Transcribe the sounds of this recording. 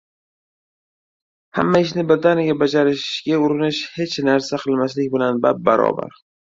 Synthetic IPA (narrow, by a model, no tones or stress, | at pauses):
ha̰mːaɪʃ̬nɪbɪɾd̪anɪɡʲabad͡ʒaɾɪʃɡʲaʊɾɪnɪʃhe̞t͡ʃnaɾsaqʰɨlˠmaslɪkʲbɪlanba̰p̚ːa̰ɾɒ̰ba̰ɾ